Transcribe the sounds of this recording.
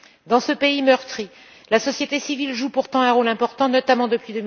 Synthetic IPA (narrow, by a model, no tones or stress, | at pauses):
d̪ɑ̃səpeimœʁt̪χi | lasɔsjet̪esivilʒupuʁt̪ɑ̃ɛ̃ʁolɛ̃pɔʁt̪ɑ̃nɔt̪amɑ̃d̪əpɥid̪əm